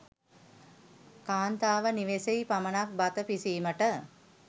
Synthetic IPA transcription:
kaːnt̪aːʋəniʋeseipamənak̚bat̪əpisiːməʈə

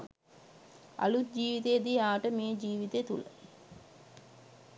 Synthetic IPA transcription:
a̰lut̪̚d͡ʒiːʋit̪ejd̪iaːʈəmeːd͡ʒiːʋit̪et̪ulə̰

